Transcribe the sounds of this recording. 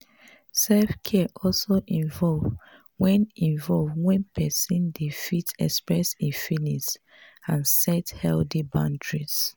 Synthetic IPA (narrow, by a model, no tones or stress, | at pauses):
sɛlfkʰɛʔɔlsoʔĩnvɔlv | wɛ̃nĩɱvɔlvwɛ̃npʰɛsĩndifitɛ̰kspɹɛsĩnfinis | ãnsɛthɛldibãntɹis